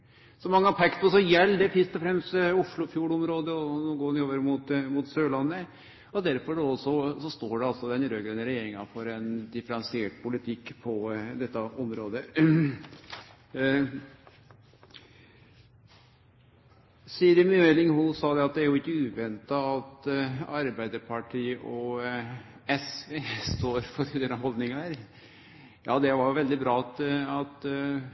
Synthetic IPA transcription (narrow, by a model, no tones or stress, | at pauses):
sɔmɑŋːəɑpʰɛkt̪ɔsɔjɛlːd̪ɛfɾɪst̪ɔfɾɛmst̪ʊʂɭʊfjuːɽɔmɾoːd̪əɔnoːɡoːnɪoːʋəɾmut̪muːt̪søːɭɑnːə | ɔd̪æɾfɔɖosɔsɔst̪oːɖɛɑlsɔd̪ɛnɾøːɡɾɛnəɾɛjeːɾɪŋɑfɔɾɛnd̪ɪfəɾɑnsɪeːʈpʰʊlɪt̪ʰɪkːpʰɔd̪ɛt̪ːɑɔmɾoːd̪ə | siːɾəmøɛlɪŋhulsɑːd̪ɛɑt̪̚d̪ɛæɾjʊɪkːəʉːʋɛnt̪ɑɑt̪ɑɾbæɪd̪əɾpʰɑʈʰiːʔɔ | ɛsʋeːst̪oːɾfɔtʰiːd̪ənɑhɔld̪nɪŋɑæɾ | jɑːd̪ɛʋɑjʊʋɛld̪ɪbɾɑːɑt̪ɑt̪